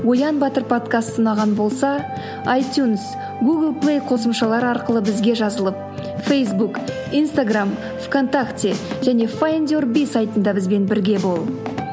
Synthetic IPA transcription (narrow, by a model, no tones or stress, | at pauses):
wo̞jɑnbɑt̪əɾpʰo̞t̪kast̪sənɑʁɑnbo̞lˠsɑ | ajt̪juns | ɡuɡəlˠplˠejqʰo̞səmʃɑlˠɑɾɑɾqəlˠəbɪzɡʲe̞ʒɑzəlˠəp̚ | fejsbuk | ijnst̪aɡram | fkʰo̞nt̪akt̪ʲeʒ̥æne̞fajend̪ʲorbʲijsajt̪ənd̪ɑbɪzbe̞nbɪɾɡʲe̞bo̞lˠ